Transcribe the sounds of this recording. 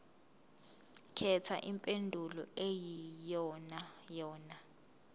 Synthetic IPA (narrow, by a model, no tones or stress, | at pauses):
kʰɛtʰa̰ʔimpʼendʱulɔ̰ejijɔnajɔːna